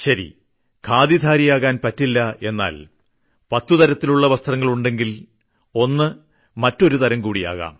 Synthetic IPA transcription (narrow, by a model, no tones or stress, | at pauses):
ɕɐɾḭ | kʰaːd̪id̪ʱaːɾijaːɣaːnpɐtːilːɐe̞nːa̰ːl | pɐt̪ːut̪ɐɾɐt̪ːiluɭːɐʋɐst̪ʰrɐŋːɐɭuɳɖe̞ŋɡil | o̞nːɨ | mɐtːo̞ɾut̪ɐɾɐŋkuːɽija̰ːɣa̰ːm